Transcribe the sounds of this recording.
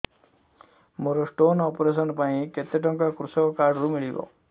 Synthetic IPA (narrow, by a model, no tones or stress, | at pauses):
moɾosʈoːnɔːpɾes̬ɔnpaĩket̪eʈɔŋkakɾusɔkkaːɾɖɾumiɭibɔ̰